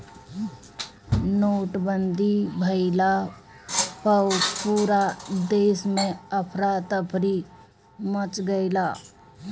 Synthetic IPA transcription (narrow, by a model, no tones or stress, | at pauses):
noːʈbənd̪ʱibʱəɪla | pəpuːɾad̪eːsmẽəpʰɾat̪əpʰɾi | mət͡ʃɡəɪla